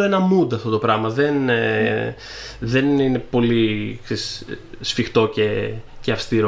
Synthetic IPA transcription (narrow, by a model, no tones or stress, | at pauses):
e̞nɐmud̪ɐft̪o̞t̪o̞pɾɐɣmɐðe̞n | ðe̞nine̞po̞liksessfixt̪o̞ce̞ceɐfst̪iɾo